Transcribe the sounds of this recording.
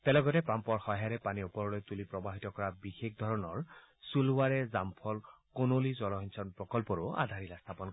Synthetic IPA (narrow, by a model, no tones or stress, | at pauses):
tɛlɔɡɔtɛpampɔɹxɔɦaɹɛpaniupɔɹɔlojt̪ulipɹɔbaɦitɔkɔɹabixexd̪ʱɔɹɔnɔɹ | sulʊwaɹɛzampʰɔlkonolizɔlɔɦinsʰɔnpɹɔkɔlpɔɹʊa̰d̪ʱaɹilast̪ʰapɔn